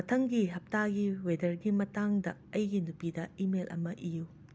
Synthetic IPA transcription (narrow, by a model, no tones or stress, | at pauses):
ɐtʰɐŋɡiɦɐp̚taɡiwedɐɾɡimɐtaŋdɐɐjɡinupidɐimelʔɐ̰mɐʔiju